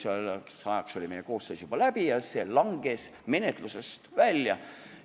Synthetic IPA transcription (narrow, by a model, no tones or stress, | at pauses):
sɑleksɑjɑkso̞lʲime̞jeko̞ːst̪øːsjub̥ɑlæb̥ijɑselɑŋɡ̥e̞s | me̞net̪ˑluse̞st̪vælʲjɑ